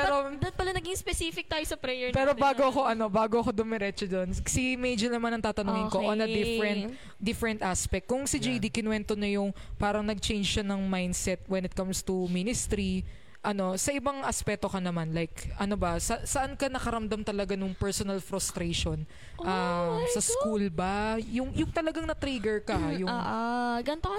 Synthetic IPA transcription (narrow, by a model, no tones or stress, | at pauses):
ɛɾod̪ɐn̚pɐlɐnɐɡɪŋspɛsiːfɪk̚t̪aːjosɐpɾɛjɛɹpɛːɾobaːɡoɐkoʔɐno̞baːɡoɐkod̪ʊmɛɾɛt͡ʃod̪onsimɛjd͡ʒonɐmanɐŋt̪aːt̪ɐnʊŋɪnkoʔonɐd̪ɪfɾɛnt̪̚ | d̪ɪfɾɛnt̪ʔaspɛk̚t̚kːʊŋsɪd͡ʒejd̪ikɪnwɛnt̪oɲɐjʊŋpaːɾɐŋnɐɡ̚t͡ʃejnd͡ʒʃɐnɐŋmajnd̪sɛt̪̚wɛnɪt̪̚kɐmst̪uminɪst̪ɾi | ʔɐno̞sɐʔɪbaŋʔɐspɛk̚t̪o̞kɐnɐmanlajkʔɐnobɐsɐsɐʔankɐnɐkɐɾɐmd̪ɐmt̪ɐlɐɡanʊŋpɛɹsonɐlfɾʊst̪ɾeʃon | ʔamsɐskulbajʊŋjʊŋt̪ɐlɐɡaŋnɐt̪ɾiɡɛɹkɐhajʊʔɡɐnt̪o